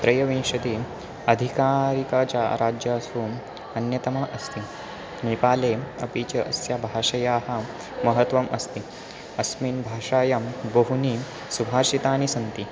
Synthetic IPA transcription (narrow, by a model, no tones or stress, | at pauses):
t̪ɾɐjɐʋĩːʂɐd̪i | ɐd̪ʱikaːɾikaːt͡ʃaːɾaːd͡ʒjaːsum | ɐnjɐt̪ɐmaʔɐst̪i | niːpaːleːɐpiːt͡ʃɐʔɐsjabʱaːʂɐjaːɦhɐ̆ | mɐɦɐt̪ʋɐmʔɐst̪i | ɐsmiːnbʱaːʂaːjɐmbɐɦuni | subʱaːɾʃit̪aːnisɐnt̪i